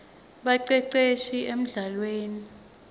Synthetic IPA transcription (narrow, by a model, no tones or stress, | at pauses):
ɓaǀɛǀeʃiʔem̩ɮalweːni